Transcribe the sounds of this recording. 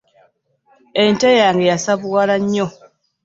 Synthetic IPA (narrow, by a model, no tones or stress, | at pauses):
entejaːŋɡe̞jasaβuwalaɲːo